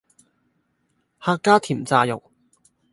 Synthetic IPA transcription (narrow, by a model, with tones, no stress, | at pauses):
haː˧kːaː˥t̪ʰiː˨˩mt͡saː˧jʊ̰˨˩k̚